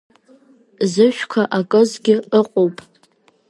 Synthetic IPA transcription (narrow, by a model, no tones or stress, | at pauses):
zɨʃᶣkʷʰaʔakʼɨzɡʲɪɨqʼowpʼ